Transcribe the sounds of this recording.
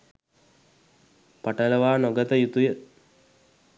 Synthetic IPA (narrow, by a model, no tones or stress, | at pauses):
pɐʈɐlɐʋaːnoɡɐt̪ɐjut̪ujə